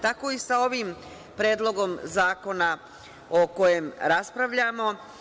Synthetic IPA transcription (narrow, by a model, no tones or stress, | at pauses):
t̪ako̞isao̞ʋim | pɾeːd̪lˠo̞ɡo̞mzaːko̞na | oko̞je̞mɾaspɾaʋʎamo̞